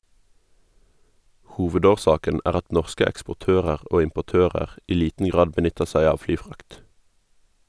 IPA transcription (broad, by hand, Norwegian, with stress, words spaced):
ˈhuːʋədoːˌʃɑːkən ˈæːʁ ˈɑt ˈnɔʁskə ɛkspʊˈtøːʁəʁ ˈoː ɪmpʊˈtøːʁəʁ ˈiː ˈliːtn ˈɡʁɑːd bəˈnʏtəʁ ˈsæɪ ˈɑːʋ ˈflyːˌfʁɑkt